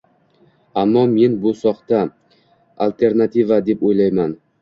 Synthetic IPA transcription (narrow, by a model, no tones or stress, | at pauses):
amːɒme̞nbʊsɒχt̪a | alt̪ʰe̞ɾnat̪ʰivad̪e̞pojlajman